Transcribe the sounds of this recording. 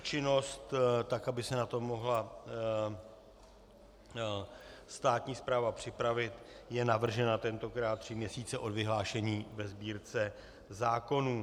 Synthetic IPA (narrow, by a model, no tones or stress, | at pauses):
t͡ʃɪno̞st̪t̪akabɪsɛnat̪o̞mːo̞ɦla | st̪aːt̪ɲiːspɾaːvapr̝̥ɪpɾavɪt̪jɛnavr̩ʒɛnat̪ɛnt̪o̞kɾaːt̪ːr̝̥ɪmɲɛsiːt͡sɛʔo̞dvɪɦlaːʃɛɲiːvɛzbiːɾt͡sɛ | zaːko̞nuː